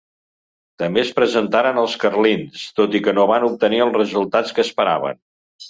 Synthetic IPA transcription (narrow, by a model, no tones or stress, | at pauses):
t̪əmbespɾəzənt̪aɾənəlˠskərlinst̪ot̪ikənoβanup̚t̪əniəlˠrəzulˠt̪at͡skəːspəɾa̰β̞ə̰n